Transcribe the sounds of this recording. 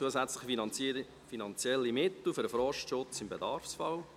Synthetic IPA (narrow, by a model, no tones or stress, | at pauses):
t͡suəzɛt͡slɪχ | finɑnt͡sjɛlːimɪt̪l̩ˠfʏɾəfɾɔʃtʃʊt͡sɪmbedɑrfsfɑl